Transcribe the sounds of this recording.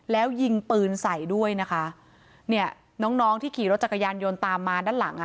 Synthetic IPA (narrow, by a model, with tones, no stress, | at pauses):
lɛː˦˥wji˧ŋpɯː˧nsa˨˩˦jdu˥˩əjna˦˥kʰa˦˥ | ni˥˩ɐ | nɔː˦˥ŋnɔː˦˥ŋt̪ʰiː˥˩kʰiː˨˩˦ɾo˦˥t̪̚t͡ɕa˨˩kʰːa˧jaː˧njo˧nt̪aː˧mːaː˧daː˥˩nla˨˩˦ŋʔa˨˩